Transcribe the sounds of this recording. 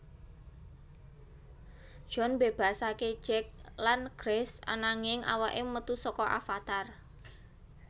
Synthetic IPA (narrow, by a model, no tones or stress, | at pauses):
d̥ʒ̥ɔ̤nbe̤b̥a̤sake̥d͡ʒ̥ɛk̚lanɡ̥ɾɛsa̰naŋɪŋʔa̰waʔɪmət̪usɔkɔʔa̰fat̪ar